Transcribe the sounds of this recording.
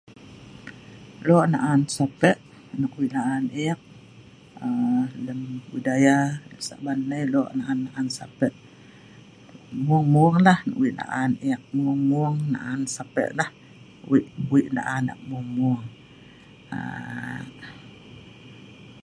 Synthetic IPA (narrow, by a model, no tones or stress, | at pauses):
loʔnaʔansapɛʔ | nakwiʔnaʔaneak̚ | ələmwidajaləsa̰ʔbanːəjloʔnaʔanːaʔansapɛʔ | muŋmuŋlahna̰ʔwiʔna̰ʔaneak̚muŋmuŋna̰ʔansapɛ̰ʔlah | wiʔuiʔna̰ʔana̰ʔmuŋmuŋ | a̰